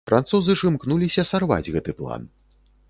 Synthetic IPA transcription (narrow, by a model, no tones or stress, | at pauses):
fɾʔa̰nt̪suzɨʂɨmknulʲisʲɐsarva̰d͡zʲɣɛt̪ɨplˠa̰n